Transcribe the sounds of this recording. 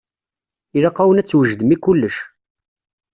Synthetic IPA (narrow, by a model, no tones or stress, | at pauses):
ilɑqːɑwənæt͡sːwəʒd̪əmikːʊlːəʃ